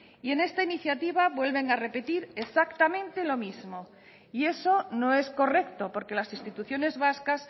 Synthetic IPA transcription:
ie̞ne̞st̪ainiθjat̪iβ̞aβwe̞lβe̞ŋare̞pe̞t̪iɾesakt̪amẽ̞nt̪e̞lo̞mizmo̞ | ie̞so̞no̞e̞sko̞re̞kt̪o̞po̞ɾke̞lasinst̪it̪uθjo̞ne̞zβaskas

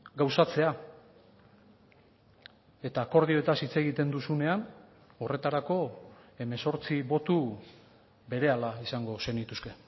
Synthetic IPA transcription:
ɡawsat͡se̞a | e̞t̪aːko̞ɾð̞io̞et̪asit͡se̞ɣit̪e̞nd̪usune̞an | o̞re̞t̪aɾako̞e̞me̞so̞ɾt͡siβo̞t̪u | be̞ɾe̞alaisaŋɡo̞se̞nit̪uske̞

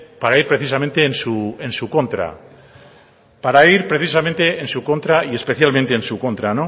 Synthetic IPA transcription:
paɾaiɾpɾe̞θisamẽnt̪e̞ːnsuensukõ̞nt̪ɾa̰ | paɾaiɾpɾe̞θis̬amẽnt̪e̞ensukõ̞nt̪ɾaie̞spe̞θjalmẽnt̪e̞ːnsuko̞nt̪ɾano

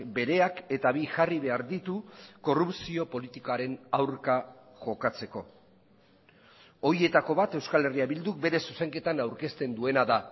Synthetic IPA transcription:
be̞ɾe̞ake̞t̪aβiʝariβ̞e̞aɾðit̪uko̞rupsio̞po̞lit̪ikoaɾe̞nawɾka | ʝo̞kat͡se̞ko̞ | o̞ɾie̞t̪ako̞βat̪e̞wskale̞riaβild̪uk̚be̞ɾe̞suse̞ŋke̞t̪anawɾke̞st̪e̞nd̪ue̞naða

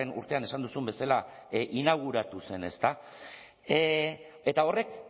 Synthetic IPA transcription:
enṵɾt̪e̞ane̞sand̪usumbe̞salaʔinaɣ̞uɾat̪use̞ne̞st̪a | e̞t̪ao̞re̞k̚

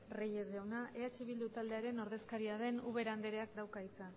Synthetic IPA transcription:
rejezʝawnaʔe̞at͡ʃe̞β̞ild̪ut̪ald̪e̞aɾe̞no̞ɾðe̞skaɾiað̞e̞nuβe̞ɾand̪e̞ɾeak̚d̪awkait͡sa

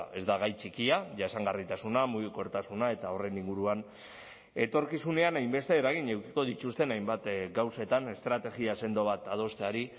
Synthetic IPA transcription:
e̞zd̪aɣ̞ajt͡ʃikiaʝaesaŋɡarit̪asunamuɣiko̞ɾt̪asunae̞t̪ao̞re̞niŋɡuɾuan | e̞t̪o̞ɾkisune̞anajmbe̞st̪e̞ːɾaɣ̞iɲewki̥ko̞ðit̪ust̪e̞najmbat̪ɡawset̪ane̞st̪ɾat̪e̞ɣiase̞nd̪o̞β̞at̪að̞o̞st̪eaɾi

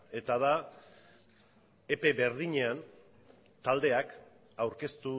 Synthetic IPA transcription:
e̞t̪aða | epe̞βe̞ɾð̞iɲe̞an | t̪ald̪e̞ak | awɾke̞st̪u

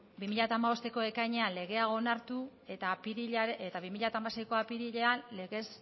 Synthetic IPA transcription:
bimiʎat̪aːmaβo̞st̪e̞ko̞e̞kajɲe̞anle̞ɣe̞ao̞naɾt̪u | e̞t̪apiɾiʎeet̪aβimiʎat̪aːmasejko̞apiɾiʎe̞anle̞ɣe̞s

